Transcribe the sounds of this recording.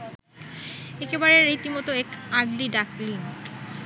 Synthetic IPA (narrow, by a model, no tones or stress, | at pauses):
ekebaɾeɾit̪imɔt̪oekaɡliɖaklin